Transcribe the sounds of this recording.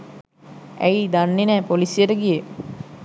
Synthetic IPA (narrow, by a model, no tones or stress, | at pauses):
æjid̪anːenæːpolisijəɾəɡije